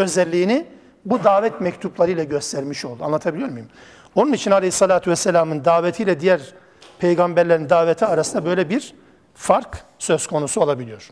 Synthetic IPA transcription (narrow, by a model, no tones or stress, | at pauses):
ø̞zɛlʲːiːni | bud̪aːvɛt̪mɛct̪ʰuplˠaɾɯjlˠaɟø̞st̪ʰæɾmiʃo̞lˠd̪ua̰nlˠat̪ʰabilʲijo̞ɾmujum | o̞nunit͡ʃʰinalʲehisːalʲˠaːt̪ʰyvɛsːɛlʲaːmɯnd̪aːvet̪ʰijlʲɛd̪ijæɾ | pʰejɡambæɾlʲeɾind̪aːvet̪ʰiaɾasɯnd̪abø̞jlʲɛbiɾ̥ | faɾk | søz̥kʰo̞nusu̞lˠabilʲijo̞ɾ̥